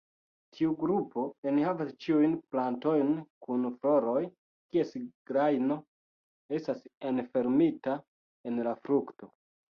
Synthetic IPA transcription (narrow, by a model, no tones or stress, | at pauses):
tʰiuɡɾupo̞enihavast͡ʃiujnplanto̞jnkunflo̞ɾo̞j | kie̞sɡ̥ɾajno̞ | e̞stasenfe̞ɾmita | e̞nlafɾukto̞